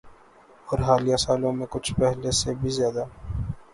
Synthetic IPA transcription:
ɔːɾɦaːlijasaːlõmẽkʊt͡ʃʰpɛɦlesebʱizjaːd̪a

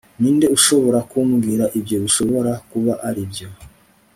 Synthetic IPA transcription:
niːnde̞uʃo̞βo̞ɾakumɡiɾaʔibjo̞βiʃo̞βo̞ɾakuβaʔaɾibjo̞

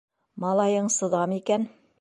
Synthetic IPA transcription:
mɑlˠɑjɤɴsɤ̆ðɑmikæn

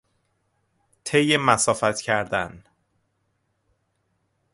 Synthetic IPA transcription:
t̪ʰejemæsɒːfæt̪cʰæɾd̪æn

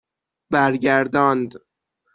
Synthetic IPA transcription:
bæɾɟæɾd̪ɒːnd̪

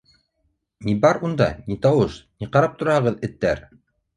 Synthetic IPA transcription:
nibɑɾund̪ɑ̰nit̪ɑwɤʃniqɑɾɑp̚t̪ŏɾɑhɤ̆ʁɤðɘ̆t̪ːæɾ

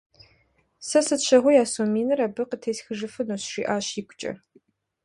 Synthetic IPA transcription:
sɐsɨtɕʰɐʁʷʊjaːsoːmiːnɨɾɐbɨqətʰeːsxɨʒɨfɨnoːɕʃḭːʔaːɕiːkʷʊt͡ʃʼɐ̰

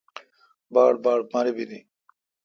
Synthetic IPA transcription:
baːɽbaːɽmaɾibid̪i

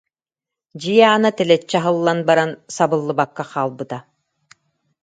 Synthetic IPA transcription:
d͡ʑijaaːnat̪ɛlɛt͡ɕːɛɦɯlˠːanbaɾansabɯlˠːɯbakːaχaːlˠbɯt̪a

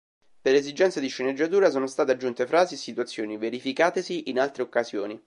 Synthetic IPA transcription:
perlezid͡ʒɛnt̪sad̪iʃːened͡ʒːat̪uːɾas̬oːnost̪aːt̪ead͡ʒːunt̪efɾaːziesːit̪uat̪sːjoːniveɾifikaːt̪esiʔinalt̪ɾeokːazjoːni

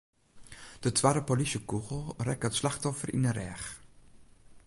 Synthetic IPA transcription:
d̥ətʰʋaːdəpolisjəkuɣəl̩ˠrɛkətslaxtɔfərʔḭnərɛ̰ːx

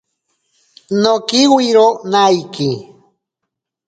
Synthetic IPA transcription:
nokiwiɾonajki

